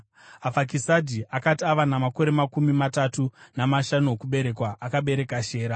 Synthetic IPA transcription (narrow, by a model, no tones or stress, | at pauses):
afak̬isadʱiʔakatiaʋanamako̞ɾe̞makumimatatunamaʃano̞kuɓe̞ɾe̞kwaʔːkaɓe̞ɾe̞kaʃe̞ːɾa